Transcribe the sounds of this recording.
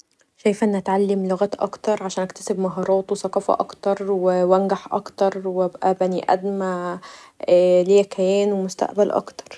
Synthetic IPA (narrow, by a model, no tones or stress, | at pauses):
ʃæjfʔenːʔæt̪ʕalːemloɣæt̪ʔɑ̰kt̪ɑɾˤʕaʃæːnʔækt̪æ̥sebmɑɦɑːɾˤɑːt̪wesæqɑːfæ̰ʔɑ̰kt̪ɑɾˤwewænɡaħʔɑ̰kt̪ɑɾˤwæbʔæbæniʔæ̰d̪mæː | lejækæjæːnwemost̪a̰ʔbælʔɑ̰kt̪ɑ̥ɾˤ